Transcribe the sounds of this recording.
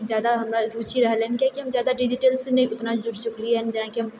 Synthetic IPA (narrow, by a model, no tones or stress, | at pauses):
zjaːd̪aɦɐmɾaɾuːt͡ʃʰiɾɛɦleːnkjakiɦɐmzjaːd̪aɖɪd͡ʒɪʈelsenɐɦĩʊt̪nad͡ʒʊɾt͡ʃʊkliɦɛːnd͡ʒɐnãkiɦɐm